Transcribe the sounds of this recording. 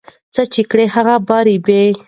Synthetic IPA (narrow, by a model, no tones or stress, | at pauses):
t͡sət͡ʃikɽehaɣabɑɾibe